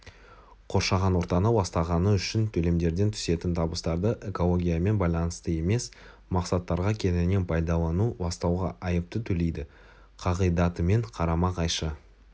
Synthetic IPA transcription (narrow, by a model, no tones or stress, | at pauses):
qʰo̞ɾʃɑʁɑnwo̞ɾt̪ɑnəwɑst̪ɑʁɑnəʏʃɪnt̪ʰɵle̞md̪e̞ɾd̪e̞nt̪ʰʏ̥se̞t̪ɪnt̪ʰɑbəst̪ɑɾd̪əʔe̞ko̞lˠo̞ɡʲijame̞nbɑjlˠɑnəst̪əe̞me̞s | mɑqsɑt̪ːɑɾʁɑkʲʰe̞nɪne̞npʰɑjd̪ɑlˠɑnubɑst̪ɑwʁɑʔɑjəp̚t̪ət̪ʰɵle̞jd̪ɪ | qʰɑʁəjd̪ɑt̪əme̞ɴqʰɑɾɑmɑqʰɑjʃə